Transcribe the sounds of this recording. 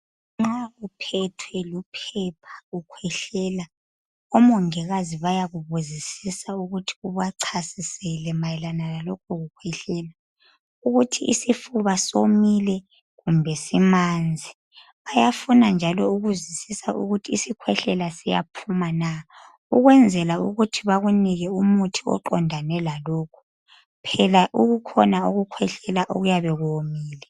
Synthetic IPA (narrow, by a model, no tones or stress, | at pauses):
ŋ͡ǁaɣupʰɛtʰwɛlupʰɛpʰḁɣukʰwɛɬɛːla | ɔmɔŋɛɣaziβajaɣuβuzisisauɣutʰi̥uβaǀʰasisɛlɛmajɛlanalalɔkʰɔɣukʰwɛɬɛːla | uɣutʰiʔisifuβasomilɛ | ɣumbʱɛsimand͡zʱi | βajafunand͡ʒʱalɔuɣuzisisaʔṵɣutʰiːsikʰwɛɬɛlasija̰pʰumana | uɣwɛnd͡zʱɛlauɣutʰiβaɣuniɣɛumutʰiɔ̰ǃɔndʱanɛlalɔːkʰu̥ | pʰɛlaʔuɣukʰɔnaoɣukʰwɛɬɛlaʔo̰ɣujaβɛɣuomiːlɛ